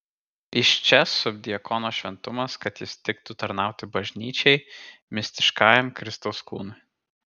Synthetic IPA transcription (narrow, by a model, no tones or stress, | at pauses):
ɪʃt͡ʃʲɛsʊb̚ʲd̪ʲɪɐkʰɔnoːʃʲʋʲɛnt̪ʊmɐskɐt̪jɪst̪ʲɪkt̪ut̪ɐɾnɑˑʊt̪ʲɪbɐʒʲnʲiːt͡ʃʲɛɪmʲɪsʲt̪ʲɪʃkɑːjɛmkɾʲɪst̪ɔʊskṵːnʊɪ